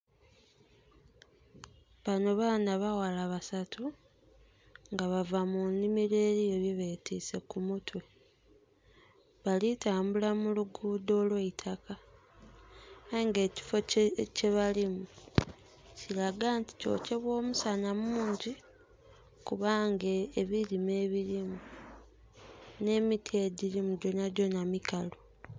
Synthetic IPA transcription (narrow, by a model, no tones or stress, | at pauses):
βano̞βaːnaβawalaβasatʰu | ŋɡaβavamunimiɾeːɾijeβiβe̞tiːse̞kumutwe̞ | βalitaːmbulamuluɡudo̞ːlweitʰaka | aiŋɡe̞ːci̥foceβalimu | ciɾaɡaːnti̥co̞̰ce̞βwo̞ːmusanamuːɲɟi | kuβaŋɡeːβiɾime̞ːβiɾimu | ne̞ːmitʰeɟiɾimuɟonaɟo̞namikalo